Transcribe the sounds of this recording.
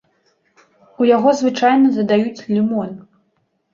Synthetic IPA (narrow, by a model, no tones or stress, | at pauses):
ujaɣɔzvɨt͡ʂajnɐzɐd̪ajut͡sʲlʲimɔn